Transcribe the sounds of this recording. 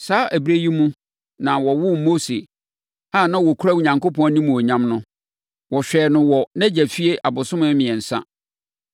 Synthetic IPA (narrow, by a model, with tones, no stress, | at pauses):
saː˨˦ʔæ˨bɾe˦ji˦mũ˦ | nã˨wɔ˨wʊ˦mo˦se˨ | aː˦˨nã˦wɔ˨kʰɾa˦wu˨ɲã˨ŋkʊ˦pɔ̃˦nĩ˦mũ˨ɔ˨ɲã˦mnʊ̃˦ | wɔ˨ɕᶣɛː˨nʊ̃˦wɔ˨nɛ̃˦d͡ʑæ˨fi˦e˦ʔa˨bʊ˨sʊ̃˦mã˦mɪ̃˨ɛ̃˨n̩˨sã̰˦